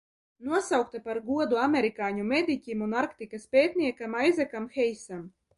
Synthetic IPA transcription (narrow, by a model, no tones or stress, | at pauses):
nuɔsawk̚t̪apaɾɡuɔd̪uamʲeɾikaːɲumʲed̪ʲikʲimunaɾkt̪ikaspʲeːt̪ʲnʲiɛkamajzakamxɛjsam